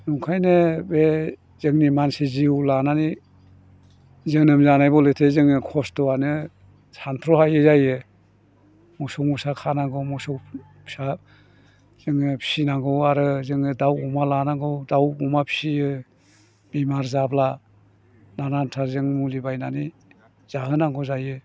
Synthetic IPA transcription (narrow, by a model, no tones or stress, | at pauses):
nuŋkʰajnɯbe | z̥ɯŋnimansiziulanani | zɯŋnɯmzanajbɔlɯtʰezɯŋɯkʰɔstɔanɯ | santʰɾɔhajɯzajɯ | mɔsɔŋmusakʰanaɡɯwmɔsɔk | sa | zɯŋɯpʰi̥sinaŋɡɯwaɾɯzɯŋɯdawumalanaŋɡɯwdawumapʰi̥sijɯ | bimaɾzabla | nanantʰaɾzɯŋmulibajnani | z̥aɦɯnaŋɡɔzajɯ